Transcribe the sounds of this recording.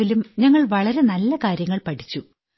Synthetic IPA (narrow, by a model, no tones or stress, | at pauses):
ilumɲɐŋːɐɭʋɐɭɐɾe̞nɐlːɐkaːɾjɐŋːɐɭpɐʈʰit͡ɕːu